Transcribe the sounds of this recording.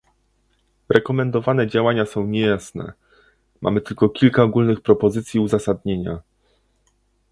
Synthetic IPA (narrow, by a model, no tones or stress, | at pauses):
ɾʔɛkɔmɛnd̪ɔvanɛd͡ʑawaɲasɔ̃w̃ɲejasnɛ̰ | mʔa̰mɘt̪ɘlkɔkʲilkaɔɡulnɘxpɾɔpɔzɘt̪sʲjiuzasad̪ɲeɲa